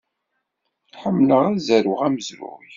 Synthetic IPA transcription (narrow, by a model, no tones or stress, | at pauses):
ħəmːləʁæzæɾʊʁæməzɾʊ̰